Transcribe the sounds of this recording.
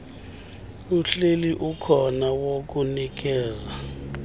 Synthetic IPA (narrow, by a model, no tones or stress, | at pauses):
uɬeliʔukʰɔnawok̬unik̬ɛːza